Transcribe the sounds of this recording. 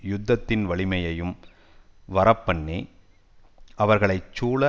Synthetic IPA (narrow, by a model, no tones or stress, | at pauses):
jʊd̪ːɐt̪ːɪnʋɐɭɪmɐjɐjɯm | ʋɐɾɐpːɐɳːi | ʔɐʋɐɾɣɐɭɐɪt͡ʃːuːɭɐ